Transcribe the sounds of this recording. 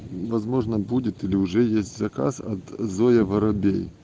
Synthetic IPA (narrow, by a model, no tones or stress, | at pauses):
vɐzmo̞ʐnəbudʲɪt̪ilʲɪʊʐɛjesʲtʲzɐka̰sɐ̰t̪zojəvɐɾɐbʲḛj